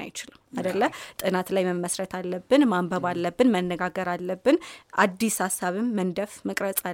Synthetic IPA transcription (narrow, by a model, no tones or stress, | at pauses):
a̰jɪt͡ʃɪlɨmad̪əlːəht̪ʼɨnat̪lajməməsɾət̪ʰalːəbːɨnmambəβalːəbːɨnmənːəɡaɡəɾalːəbːɨnʔad̪ːishasːaβɨmːənd̪əfmɨkʼɾəsʼa